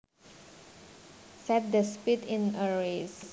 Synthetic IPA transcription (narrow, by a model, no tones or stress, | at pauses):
sɛt̚dəspitɪ̃nəɹes